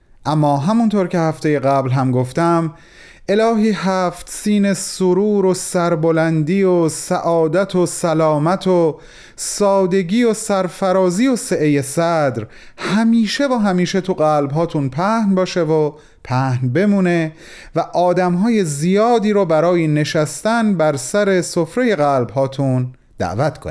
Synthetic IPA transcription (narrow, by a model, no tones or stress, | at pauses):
ʔæmːɒːɦæmunt̪ʰoɾcʰe̞hæft̪e̞je̞ɣæblɦæmɡoft̪æm | ʔe̞lɒːɦiːɦæft̪siːnesoɾuːɾosæɾbolænd̪iːosæʔɒːd̪æt̪ʰosælɒːmæt̪ʰo | sɒːd̪e̞ɟiːosæɾfæɾɒːziːoseʔeje̞sæd̪ɾ | hæmiːʃe̞voːɦæmiːʃe̞t̪ʰuɣælbɦɒːt̪ʰunpʰæhnbɒːʃevo | pʰæhnbe̞muːne̞ | væʔɒːd̪æmɦɒːje̞zijɒːd̪iːɾɔːbæɾɒːjine̞ʃæst̪ænbæɾsæɾe̞sofɾe̞je̞ɣæːlbhɦɒːt̪ʰun | d̪̥æ̰ʔvæt̪ʰkʰon